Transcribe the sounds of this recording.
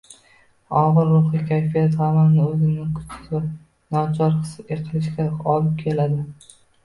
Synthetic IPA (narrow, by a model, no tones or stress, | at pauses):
ɒʁɨɾːʊχikʲʰajfijat̪hamanɪɵzɪmnɪŋkʰʊ̥t͡ʃʰɪ̥sa | nɒt͡ʃʰɒɾɨ̥seqʰɨlˠɪʃɡʲaɒlɪp̚kʲʰe̞lad̪ɪ